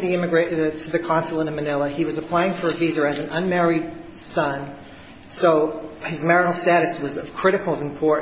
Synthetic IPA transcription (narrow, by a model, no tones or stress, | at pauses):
ðiɪ̃mɨɡɹeɪtʰɨðɨkʰɑ̃nsl̩ˠə̃nɨmɨnɪlˠəiwʌzɨpʰl̥aɪɪ̃ŋfə˞ɨvizə˞ɨzn̩ʌ̃nmɛɹid̥̚ | sʌ̃n | soʊɨzmɛɹɨnl̩ˠstæɾɨswʌzʌv̥kʰɹ̥ɪɾɨkl̩ˠʌvɨ̃mpʰɔɹʔ